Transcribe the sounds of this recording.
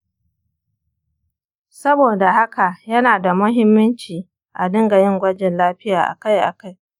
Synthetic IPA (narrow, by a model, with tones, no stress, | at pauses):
sɐ˦boː˨da˨ɦa˦ka˨jɐ˦naː˨da˨mʊ˦ɦɪ˦mːɐ˦nt͡ʃiː˨ | ʔa˨dɪ˦ŋɡa˨jɪ˦ŋɡʷɐ˦d͡ʒɪ˨nlaː˦ɸɪ˦jaː˨ʔa̰˨ka˦jʔa̰˨ka˦j